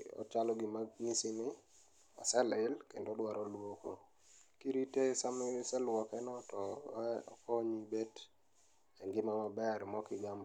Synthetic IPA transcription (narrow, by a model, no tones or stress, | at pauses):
ɔ̰t͡ʃalɔɡɪmaɡŋisɪnɪ | a̰sɛlɪlkendodwaɾɔlwoko | kiɾitesamɪsɛlwɔkɛnɔtɔɛɔ̰kɔɲibet | ɛŋɡɪmaɔbɛɾmɔkɪɡamb